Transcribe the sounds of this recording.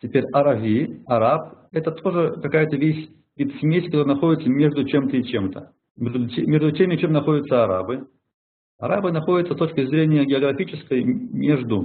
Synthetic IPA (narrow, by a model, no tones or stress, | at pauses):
tʲɪpʲeɾʲɐɾɐvʲiɐɾap | ɛt̪ət̪ʰo̞ʐɨkɐkajət̪əvʲesʲ | vʲit̪sʲmʲesʲkɐt̪oɾənɐxo̞dʲɪt̪səmʲe̞ʐd̪ʊt͡ɕe̞mt̪əɪt͡ɕemt̪ʰə | mʲeʐd̪ʊemʲe̞ʐd̪ʊtʲemʲɪt͡ɕemnɐxo̞dʲɪt̪səɐɾa̰bɨ | ɐɾabɨnɐxo̞dʲɪt̪səst̪o̞t͡ɕkʲɪzɾʲenʲɪjəɡʲɪɐɡɾɐfʲit͡ɕɪskəjmʲeʐd̪ʊ